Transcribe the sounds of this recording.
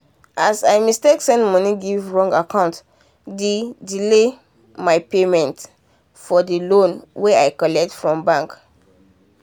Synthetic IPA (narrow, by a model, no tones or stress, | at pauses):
ʔasaɪmisteksɛ̃ndmɔniɡivɹɔ̃ŋɡakãʊ̃nt | dedile | maɪpemɛ̃nt | fɔdilõnweaɪkɔlɛk̚tfɹɔ̃mbãŋk